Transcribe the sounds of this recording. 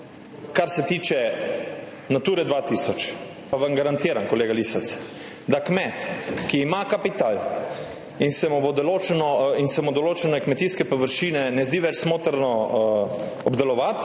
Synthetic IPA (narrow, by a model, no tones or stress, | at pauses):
kaɾsɛt̪iːt͡ʃɛ | nat̪uːɾɛd̪ʋat̪isɔt͡ʃ | paʋaŋɡaɾant̪iːɾankɔleːɡalisat̪s | d̪akmɛt̪kiːmakapit̪al | insɛmubɔd̪ɔloːt͡ʃɛnɔinsɛmud̪ɔloːt͡ʃɛnɔkmɛt̪iskɛpoʋəɾʃiːnɛnɛzd̪iʋɛt͡ʃsmoːt̪əɾnɔ | ɔbd̪ɛlɔʋat̪